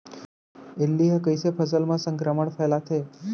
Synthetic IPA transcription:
elːiɦəkəjsepʰəsəlmãsəŋkɾəməɳfʰəjlat̪ʰe

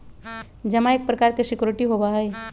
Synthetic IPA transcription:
d͡ʒɐmãeːk̚pɾəkaːɾkisɪkjuɾɪʈiɦobaɦəi

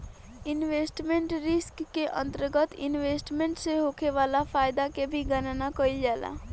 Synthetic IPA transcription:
ɪnʋeːsʈmẽɳʈɾɪskːeʔə̰̃nt̪əɾɡət̪ɪnʋeːsʈmẽɳʈseɦokʰeʋaːlafʰaːjd̪akebʱiɡənnakəild͡ʒaːla̰

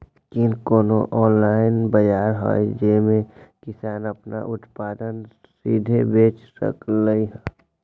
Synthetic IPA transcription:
kinkoːnoʔɔːnlaːɪnbəjaːɾɦɔ̰jd͡ʒemẽkɪsaːnəpna̰ʔʊt̪paːd̪ən | sḭːd̪ʱebeːt͡ʃsə̰kləiɦɛː

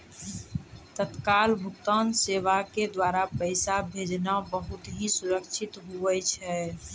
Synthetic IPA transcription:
t̪ət̪kalbʱukt̪anseʋaked̪waɾapəɪsabʱed͡ʒnabəɦut̪ɦĩsuɾəkt͡ʃʰit̪ɦuʋɛt͡ʃʰɛ

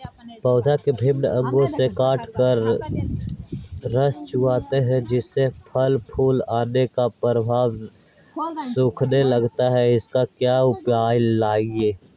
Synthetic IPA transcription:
pəːd̪ʱakebʱɪmnəə̃ŋɡõsekaːʈʰkəɾ | əst͡ʃʊaːt̪eɦɛ̃d͡ʒɪsːepʰəlpʰuːlaːnekapɾəbʱaːʋ | sʊ̃ːkʰneləɡt̪aɦɛɪskakjaːʊpjaːjlaːieː

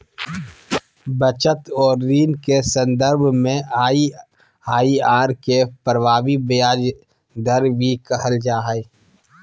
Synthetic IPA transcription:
bət͡ʃət̪ɔːɾːiːnkesə̃nd̪əɾbʱmẽai | aːiaːɾkepəɾwaːbibjaːd͡ʒ | d̪əɾbʱikəɦəld͡ʒaːɦe

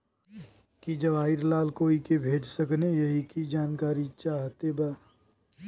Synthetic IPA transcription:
kid͡ʒɐʋaːɪɾlaːlkoːikebʱeːd͡ʒsəknejɐɦikid͡ʒaːnkaːɾit͡ʃaːɦt̪ebaː

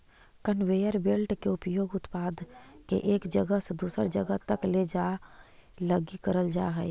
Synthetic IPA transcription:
kənʋejəɾbelʈkeʊpjoːɡʊt̪paːd̪kḛʔeːkd͡ʒəɡəsed̪uːsəɾd͡ʒəɡət̪əkled͡ʒa | ləɡikəɾəld͡ʒa̰ɦɛɛ

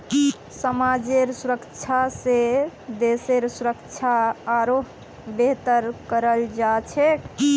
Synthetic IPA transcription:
səmad͡ʒeɾsuɾəkt͡ʃʰased̪eseɾsuɾəkt͡ʃʰaːɾoɦ | beɦt̪əɾkəɾəld͡ʒat͡ʃʰɛ

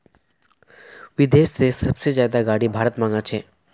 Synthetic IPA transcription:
ʋɪd̪eːʃsesəbsezjaːd̪aɡaːɽibʱaːɾət̪mãŋɡat͡ʃʰeː

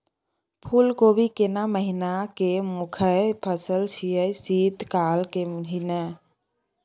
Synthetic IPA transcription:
pʰuːlkobʱikenaməɦinakemʊkʰəpʰəsəlsijəsiːt̪kaːlkeɦina

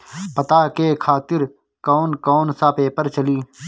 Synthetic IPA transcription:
pət̪aːkeːkʰaːt̪ɪɾ | koːnkoːnsaːpeːpəɾt͡ʃəliː

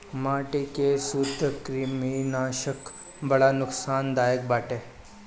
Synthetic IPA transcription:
maʈikesud̪ʱəkɾiminaɕək | bəɭanuksand̪ajək̚baʈe

